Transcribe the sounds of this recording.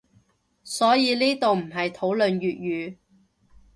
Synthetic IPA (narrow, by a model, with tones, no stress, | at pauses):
sɔː˨˥jiː˨˧liː˥t̪o˨wm̩˨˩ɦɐ˨jt̪ʰo˨˥wlɵ˨njyː˨t̚jyː˨˧